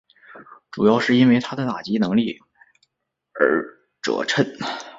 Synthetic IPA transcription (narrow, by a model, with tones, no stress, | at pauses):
ʈ͡ʂu˨˩jɑ˥˧ʊʂɻ̩˥˩i˥nwe˥˩ɪt̪ʰa˥d̪ə˨t̪a˨˩t͡ɕi˧˥nɤ˧˥ŋli˥˩ | ə̰˧˥ | ʈ͡ʂɤ̰˨˩ʈ͡ʂʰə˥˩n